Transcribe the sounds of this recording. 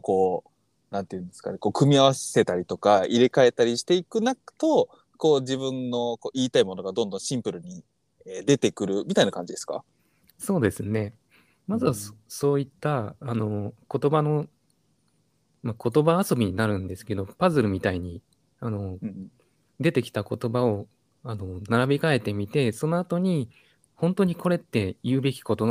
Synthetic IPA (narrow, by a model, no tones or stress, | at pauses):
ko̞ː | nãnt̪e̞jɯ̟nd̪e̞sɨ̥ka̰neko̞ːkɯ̟mʲiaβasse̞t̪aɾʲit̪o̞kaiɾe̞kae̞t̪aɾʲiɕi̥t̪e̞ikɯ̟nakt̪o̞ | ko̞ːd͡ʑibɯ̟̃nːo̞ko̞ːʔiːt̪aimo̞no̞ɡad̪õ̞nd̪õ̞ɕĩmpɯ̟ɾɯ̟ɲ̟i | eːd̪e̞t̪e̞kɯ̟ɾɯ̟mʲit̪ainakãɲ̟d͡ʑid̪e̞sɨ̥ka̰ | so̞ːd̪e̞sɨne̞ | mazɨβaso̞ːit̪ːaːno̞ko̞t̪o̞bano̞ | mako̞t̪o̞baːso̞bʲiɲ̟inaɾɯ̟̃nd̪e̞sɨ̥ke̞d̪o̞pazɨɾɯ̟mʲit̪aiɲ̟i | ano̞ | d̪e̞t̪e̞kʲi̥t̪ako̞t̪o̞bao̞ | ano̞naɾabʲikae̞t̪e̞mʲit̪e̞so̞no̞at̪o̞ɲ̟i | hõ̞nt̪o̞ɲ̟iko̞ɾe̞t̪ːe̞jɯ̟ːbe̞kʲi̥ko̞t̪o̞